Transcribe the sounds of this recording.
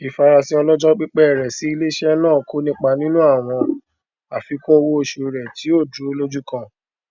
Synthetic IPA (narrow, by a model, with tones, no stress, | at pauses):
i˨fa˧ɾa˧sĩ˦ɔ˧lɔ˦d͡ʒɔ˦k͡pi˦k͡pɛ˦˨ɾɛ˨si˨˦i˧le˦ʃɛ˦nãː˦˨ko˨˦nĩ˦k͡pa˧nĩ˦nũ˦a˦˨w̃ɔ̃˧ | a˨fi˨˦ko˦o˧wo˦o˧ʃo˨ɾɛ˨ti˨˦o˦˨d͡ʒu˨˦o˧lo˦d͡ʒu˦kã˦˧˨